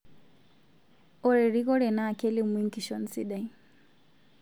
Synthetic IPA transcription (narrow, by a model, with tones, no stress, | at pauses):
ɔ˨ɾɛ˨ɾi˦kɔ˦ɾɛ˨na˦˨kɛ˦li˦˨mi˦ŋki˨ʃɔ˦n̩si˦ɗa˨i